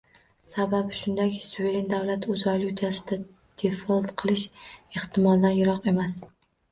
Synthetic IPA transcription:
sababʃʊnd̪akʲsuvelend̪awlat̪ɵzvalʲˠut̪ʰasɪd̪a | d̪̥efɒlˠt̪qʰɨlˠɪʃeht̪ʰɪmɒlˠd̪anjʊɾɒqe̞mas

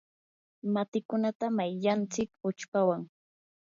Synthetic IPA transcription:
mat̪ɪkʊnat̪amajʎant͡sɪkʊt͡ʃpawaŋ

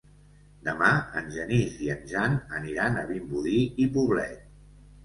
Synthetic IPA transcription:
d̪əmaə̰nʲʒəniziənʲʒanəniɾanəβimbuðiipuβlɛ̰t̪̚

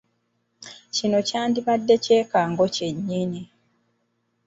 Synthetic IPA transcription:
cino̞caːndiβadːe̞ce̞ːkaːŋɡo̞ce̞ɲːini

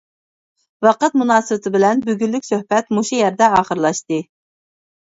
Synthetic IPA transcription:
vɑqɑt̪munɑːsɨwɪt̪ʰɪbɪlɛnbøɡʲylːykʲsøhpɛt̪muʃujæɾd̪ɛɑːχəɾlˠɑʃt̪ɨ

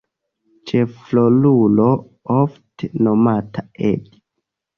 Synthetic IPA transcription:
t͡ʃeflolulo̞ | oftenomatʰaʔḛd

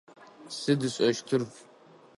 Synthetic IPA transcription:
sɨdɨɕʷʼɐʃtʰɨrf

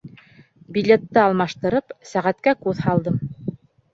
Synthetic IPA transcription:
bʲilʲet̪ːɤɑlˠmɑʃt̪ɤ̆ɾɤpsæʁæt̪kækʉðhɑlˠd̪ɤm

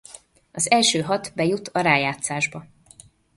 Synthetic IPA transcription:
ɒzɛlʃøːɦɒt̪bɛjut̪ʰɒɾaːjaːt̪saːʒbɒ

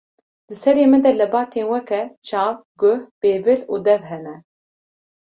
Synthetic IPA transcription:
d̪ɨsɛɾeːmɨd̪ɛlɨbɑːt̪ʰeːnwɛkɛt͡ʃʰɑːvɡʊhb̥eːvɨluːd̪ɛvɦɛnɛ

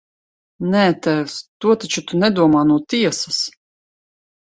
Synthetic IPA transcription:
nɛːt̪ɛwst̪uɔt̪at͡ʃut̪unɛd̪uɔmaːnuɔt̪iɛsas

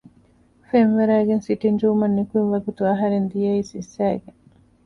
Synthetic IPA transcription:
fenʋeɾæːɡensiʈind͡ʒuːmɐnːekuinʋɐɡut̪uɐɦɐɾend̪ijɐiːsisːæːɡe

